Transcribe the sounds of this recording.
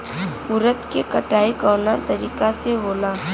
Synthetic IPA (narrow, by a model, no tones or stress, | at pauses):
ʊɾət̪kekɐʈaːikɔːnat̪ɐɾiːkaseboːlaː